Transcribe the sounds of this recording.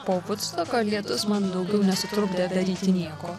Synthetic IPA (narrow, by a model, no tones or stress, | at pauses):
poːʋʊt̪st̪oːkolʲiɛt̪ʊsmɐnd̪ɐʊɡʲɛʊnʲɛsʊt̪ɾʊɡd̪ɐd̪ɐɾʲiːt̪ʲɪnʲiɛkoː